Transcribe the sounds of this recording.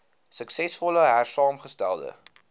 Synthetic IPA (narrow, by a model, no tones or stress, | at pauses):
səksɛsfɔləɦærsɑːmχəstæ̰lˠdə̰